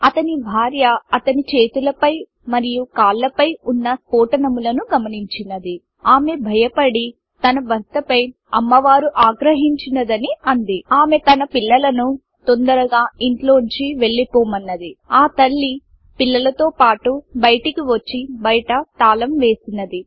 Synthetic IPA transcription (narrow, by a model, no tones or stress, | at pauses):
ɐt̪ɐnibʱaːɾjɐɐt̪ɐnit͡ʃe̞ːt̪ulɐpɐj | mɐɾijukaːlːɐpɐjunːɐspoːʈɐnɐmulɐnuɡɐmɐniɲt͡ʃinɐd̪i | aːme̞bʱɐjɐpɐɽi | t̪ɐnɐbɐst̪ɐpɐj | ɐmːɐʋaːɾuʔaːɡɾɐɦiɲt͡ʃinɐd̪ɐniɐnd̪iaːme̞t̪ɐnɐpilːɐlɐnu | t̪ond̪ɐɾɐɡaːiɳʈlo̞ːɲt͡ʃiʋe̞ɭːipoːmɐnːɐd̪iaːt̪ɐɭːi | pilːɐlɐt̪oːpaːʈubɐjɐʈikiʋɐt͡ʃːibɐjʈɐt̪aːlɐmʋe̞ːsinːɐd̪i